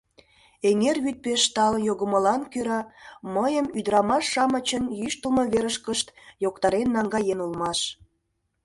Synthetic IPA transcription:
eŋerβyt̪̚peʃt̪ɑljoɣəməlɑnkyɾɑməjəmyd̪əɾɑmɑʃːɑmət͡ɕənjyʃt̪əlmə̆βeɾəʃkəʃt̪jokt̪ɑɾenːɑŋɡɑjenulmɑʃ

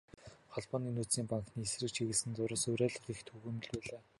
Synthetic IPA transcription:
χɔɮpɔːniːnut͡s̪siːmpaŋkniːesrɘ̆k̚t͡ɕʰiɣɘ̆ɮsɘ̆nt͡sʊɾʊ̆sʊɾæːɮə̆χixt̪ʰɵɣuːnɵ̆ɮpæːɮaː

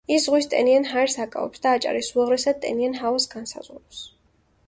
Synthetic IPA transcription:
iszʁwist̪ʼɛ̰nianɦaɛɾsakʼa̰vɛ̰psd̪aːt͡ʃʼa̰ɾisuaʁɾɛsat̪ʼɛ̰nianɦavasɡansa̰zʁɛps

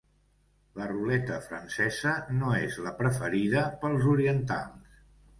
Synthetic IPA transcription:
lərulɛt̪əfɾə̰nsɛzənoezləpɾəfəɾiðəpəlˠzuɾiənt̪a̰ls

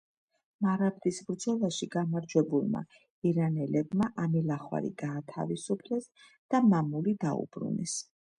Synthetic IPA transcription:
maɾab̚d̪isbɾd̪zɔlˠaʃiɡamaɾd͡ʒwɛbulˠma̰ | iɾanɛlɛbmaʔamɛlaχwa̰ɾḭɡ̥aːt̪ʰa̰visupʰlɛs | d̪̥amamulid̪aṵb̥ɾṵnɛs

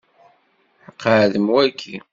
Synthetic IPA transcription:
ħəqːəʕðəmwækʰːi

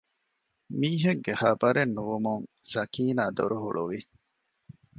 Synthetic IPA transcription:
miːɦeɡɡehɐbɐɾenːuʋumuŋsɐkiːnaːd̪oɾuɦuɭuʋi

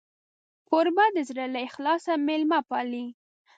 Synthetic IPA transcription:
koɾbad̪əzɾəlaɪxlɑsamelmapɑli

